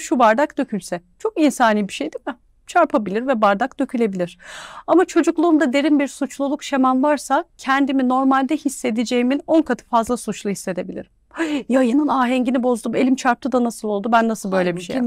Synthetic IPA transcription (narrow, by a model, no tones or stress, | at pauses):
ʃubaɾd̪akd̪ø̞cʰylʲsɛt͡ʃʰo̞kinsaːniːbiʃejd̪imɪ | t͡ʃʰaɾpʰabilʲiɾvɛbaɾd̪akd̪ø̞cʰylʲe̞bilʲiɾ̥amat͡ʃʰo̞d͡ʒuklˠuːmd̪ad̪e̞ɾimbiɾsut͡ʃlˠulˠukʃe̞manvaɾsacʰɛnd̪imino̞ɾmalʲd̪ɛhisːe̞d̪id͡ʒe̞jimino̞nkʰat̪ʰɯ̥fazlˠasut͡ʃlˠuhisːe̞d̪e̞bilʲḭɾimjajanɯnaːɦɛɲɟinibo̞zd̪ume̞lʲimt͡ʃʰaɾp̚t̪ʰɯd̪anasɯlˠo̞lˠd̪ubænːasɯlˠbø̞jlʲebiʃe